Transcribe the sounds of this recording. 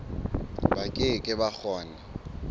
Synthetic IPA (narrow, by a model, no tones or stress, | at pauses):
bakʼɪkʼɪbak͡xʰɔːna